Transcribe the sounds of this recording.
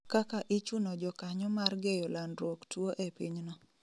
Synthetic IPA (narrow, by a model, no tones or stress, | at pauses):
kakaʔit͡ʃunɔd͡ʒɔkaɲɔmarɡejɔlandɾwoktwoʔepiɲnɔ